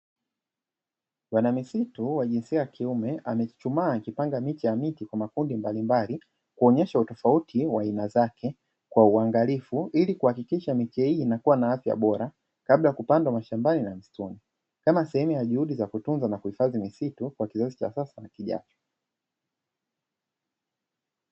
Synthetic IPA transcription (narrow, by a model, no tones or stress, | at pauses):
wanamisituwaʄinsiajakʰiumɛʔa̰mɛt͡ʃumaːkipaŋɡamit͡ʃijamitikwamakundimbalimbali | kuɔɲɛʃautɔfautʰiwainazakʰɛ | kwauaŋɡalifuʔilikuhakikiʃamit͡ʃɛhiːnakuwanaafja̰ɓɔɾa | kablakupandwamaʃambaninam̩stuni | kamasɛhɛmujaʄuhuɗizakutunzanakuhifazimisitukwakizazit͡ʃa̰sasanakiʄa̰t͡ʃɔ̥